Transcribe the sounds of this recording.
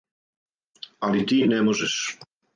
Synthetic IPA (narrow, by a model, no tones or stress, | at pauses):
alit̪iːnɛmoʒeʃ